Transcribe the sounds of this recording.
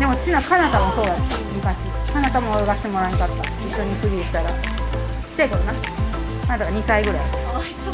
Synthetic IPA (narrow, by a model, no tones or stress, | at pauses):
d̪e̞mo̞t͡ɕinakanat̪amoso̞ːd̪aonamɯ̟kaɕikanat̪amo̞ɡaɕi̥t̪emoɾaikat̪ːa | iɕːo̞ɲ̟iɸɯ̟ɾʲiɕi̥t̪aɾḁ | t͡ɕːaikoɾona | kanat̪aɡaɲ̟isaiɡɯ̟ɾai